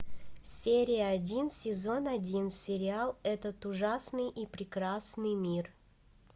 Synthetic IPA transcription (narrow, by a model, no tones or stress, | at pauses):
sʲeɾʲɪjəɐdʲinsʲɪzo̞nɐdʲinsʲɪɾʲɪalˠɛt̪ət̪ʊʐasnɨjʔipɾʲɪkɾasnɨjmʲir